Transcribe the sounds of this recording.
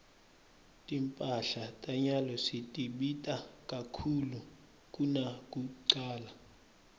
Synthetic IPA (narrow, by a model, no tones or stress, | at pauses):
tʼimpʼaɬatʼaɲalɔsitʼiɓitʼakʼakʰulu | kʼunakʼukuǀaːla